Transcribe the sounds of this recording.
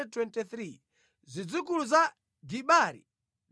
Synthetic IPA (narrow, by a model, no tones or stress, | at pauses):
twɛntiθɾi | zʷid͡zikuluza | ɡiɓaɾḭ